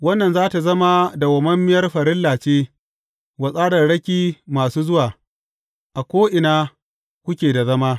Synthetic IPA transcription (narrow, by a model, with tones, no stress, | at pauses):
wɐ˦nːɐ˨nzaː˦ta˨zɐ˦ma˦da˨wɐ˨mɐ˦mːɪ˦jɐ˦rɸɐ˨ɾɪ˦lːaː˨t͡ʃeː˦ | wɐ˨sʼaː˦ɽɐ˨rɽɐ˦kʲiː˦maː˨suː˦zʊ˦waː˨ | ʔa˨kʷoː˦ʔɪ˨naː˦ | kʷʊ˦kʲeː˨da˨zɐ˦maː˦